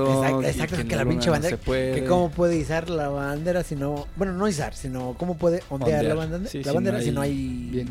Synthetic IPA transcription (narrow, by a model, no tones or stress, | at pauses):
esakesak̚t̪okelapĩɲnt͡ʃaβand̪ekekomo̞pwe̞ðeisaɾlaβand̪e̞ɾasino̞bwe̞no̞no̞is̬a̰ɾsino̞ko̞mo̞pwe̞ðe̞ʔond̪jaɾlaβand̪laβand̪e̞ɾasino̞aj